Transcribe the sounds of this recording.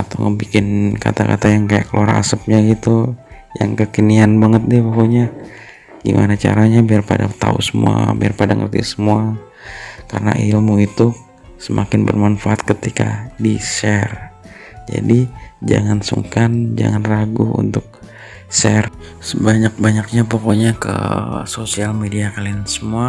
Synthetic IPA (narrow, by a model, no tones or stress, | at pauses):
at̪awŋəbikɪnka̰t̪aka̰t̪ajaŋkajaʔkəluaɾa̰səp̚ɲaɡit̪uja̰ŋkəkənianbaŋət̪̚dɪpokoɲa | ɡ̥imʔanat͡ʃa̰ɾaɲabiarpadat̪a̰ṵsəmṵa̰biarpadaŋərt̪isəmua | karna̰ʔilmuit̪u | səmakɪnbə̰rmanfaʔat̪̚kət̪ika̰disɛr | d͡ʒa̰did͡ʒa̰ŋansṵŋkand͡ʒa̰ŋanraɡuṵnt̪ʊk̚ | sɛrsəbaɲak̚baɲak̚ɲapokoɲakə̰sosialmediakaliansəmua